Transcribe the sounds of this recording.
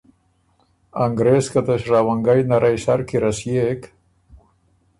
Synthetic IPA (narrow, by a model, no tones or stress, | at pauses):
aŋɡɾeskat̪eʃraβaŋɡajnaɾʔajsaɾkiɾasjek